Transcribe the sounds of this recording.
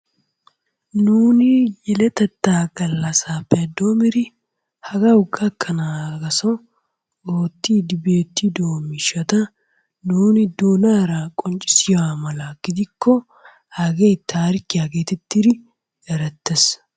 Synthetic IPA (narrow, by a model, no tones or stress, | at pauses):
nuːnɪjɛlɛt̪ɐt̪ːaːɡɐlːasaːpːɛd̪ːoːmɪɾɪ | hɐɡɐʊɡɐkʰːɐnaɡɐsɔ | oːt̪ːiːd̪ɪbeːt̪ːid̪oːmɪʃɐt̪ɐ | nuːnɪd̪oːnaːɾakʼɔnt͡ʃʼɪ̥sɪjaːmɐlaːɡ̥ɪd̪ɪkːɔ | haɡejt̪ʰːaːɾɪkːɪjaɡeːt̪ɛt̪ːɪɾɪ | jɐɾɐt̪ːɛs